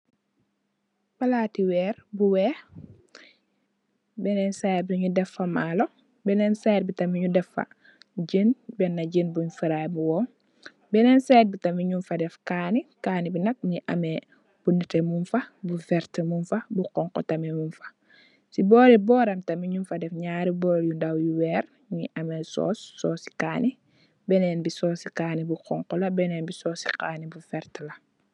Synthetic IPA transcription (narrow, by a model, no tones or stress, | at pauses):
balatiwɛːɾbuwɛː | bɛnɛnsajt̚biɲudɛfːɐmaːlo | bɛnɛnsajɾ̚bitɐmiɲudɛfa̰ | d͡ʒinbɛnːaɟinbuɲufiɾajbuwɔm | bɛnɛnsejt̚bitamiɲunfadɛfkanikaːnibinɐk̚miʔɐ̰mɛ | b̥unitemunfɐbufɛɾtmunfɐbuqɔŋqɔ̰tɐmɛmunfɐ̥ | sibɔːɾibɔːɾɐmtɐmiɲunfɐdɛfɲaːɾibɔːɾjundawjuwɛːɾ | ɲiʔɐmɛsɔ̰ːsːɔːsi̥kaːni | bɛnɛnbisɔːsikaːnibuqɔŋkɔlɐbɛnɛnbisɔːsi̥kaːnibufɛɾtlɐ